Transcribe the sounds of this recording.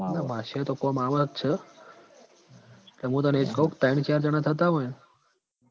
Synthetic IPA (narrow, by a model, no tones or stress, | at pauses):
nabʱaʃat̪okomaʋəkt͡ʃʰe | kleɦũːt̪̬əneed͡ʒkəɦũkt̪aint͡ʃaɾd͡ʒəɽ̃at̪ʰət̪̬aɦoj